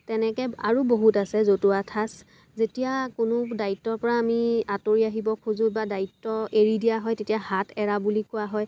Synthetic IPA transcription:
tɛnɛkɛa̰ɹuboɦutasɛzotuatʰas | zetijakʊnʊdaitːɔɹpɔɹaːmiatoɹiaɦibɔkʰuzʊbadaitːɔeɹidijaɦɔjtetijaɦatʰɛɹabulikʊaɦɔj

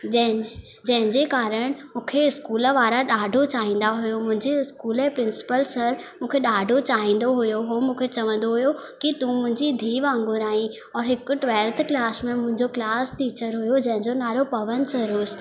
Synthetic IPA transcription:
ɐɦ | d͡ʑɐ̃ɦɪ̃ɲd͡ʑekaːɾəɽ̃mũːkʰeɪskuːləʋaːɾaɗaːɖʱot͡ɕaːɦĩːn̆d̪aɦʊjomʊ̃ɦɪ̃ɲd͡ʑeɪskuːlepɾɪ̃nsɪ̥pəlsɐɾmũːkʰeɗaːɖʱot͡ɕaːɦĩːn̆d̪oɦʊjoɦomũːkʰet͡ɕɐʋə̃nd̪oɦʊjo | kit̪ũmʊ̃ɦɪ̃ɲd͡ʑid̪ʱiːʋãːŋɡʊɾaːɦĩ | ɔːɾɦɪkʊʈʋɛːlt̪ʰklaːsmẽmʊ̃ɦɪ̃ɲd͡ʑoklaːsʈiːt͡ɕəɾɦʊjod͡ʑɐ̃ɦɪ̃ɲd͡ʑonaːlopɐʋənsɐɾoːs

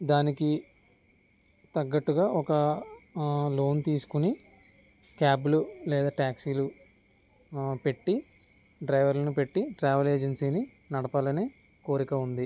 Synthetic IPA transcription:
d̪aːniki | t̪ɐɡːɐʈːuɡaːʔɔkɐ | lo̞ːnt̪iːsu̥kuni | kaːbululɛːd̪aːʈaːksiːlu | pe̞ʈːi | ɖɾɐjʋɐɾlɐnupe̞ʈːiʈɾaːʋɐle̞ːd͡ʒensiːni | nɐɽɐpaːlɐneː | ko̞ːɾikɐund̪i

